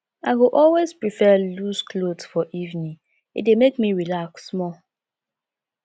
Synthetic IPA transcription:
aɪɡoʔɔlwezpɹifɛluzklodsfɔʔivnĩ | ḭdemekmiɹilaksːmɔ

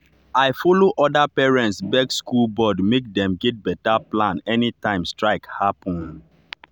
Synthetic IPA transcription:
aɪfɔloʔɔdapɛɹɛ̃ntsbɛkskulbɔdmek̚dɛ̃mɡɛt̚bɛtaplãnɛnitãɪ̃mstɹaɪkhapɔ̃n

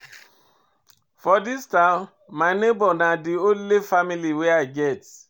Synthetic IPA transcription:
fɔdistãmː | aɪnebɔnadionlefamiliweaɪɡɛt

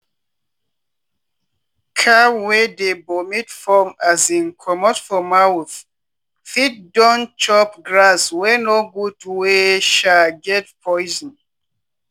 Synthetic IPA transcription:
kʰawedebomitfɔmazĩnkʰɔmɔdfɔmawθ | fit̚dɔ̃nt͡ʃɔpɡɹaswɛnoɡutweʃaɡɛt̚pʰɔjzɔ̃n

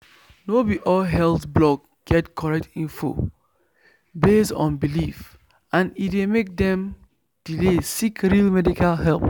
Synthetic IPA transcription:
nobiʔɔlɦɛlˠθblɔk | ɡ̥ɛtkʰɔɹɛk̚tĩnfo̰ | bestɔ̰̃nbilif | ʔãnitwemek̚dɛ̃m | d̥ilesikɹilmɛdikʰalɦɛlp

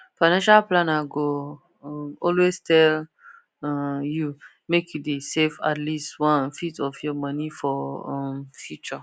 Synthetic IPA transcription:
faɪnãnʃalplãnaɡõ | ɔlwestʰɛl | ju | mekʰjudesefa̰tlistwɔ̃nfitɔfjɔmãnifɔ̃mfjut͡ʃɔ

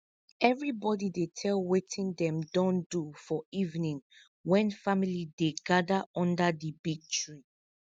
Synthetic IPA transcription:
ɛvɹibɔdidetʰɛlwetʰĩndɛ̃mdɔ̃ndufɔivnĩŋ | wɛ̃nfamilideɡadaʔɔ̃ndadəbiɡ̚tɹĩ

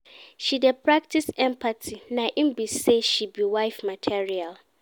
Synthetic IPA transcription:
ʃidɛpʰɾak̚tʰisɛ̃mpʰatʰinãʔĩm̩biseʃibiwaɪfmatʰiɹial

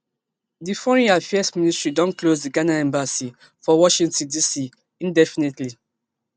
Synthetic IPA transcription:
difɔɹĩafɛɛsmĩnistɹidɔ̃nklozdiɡanaɛ̃mbasi | fɔwɔʃĩŋtɔ̃ndisi | ĩndɛfinetli

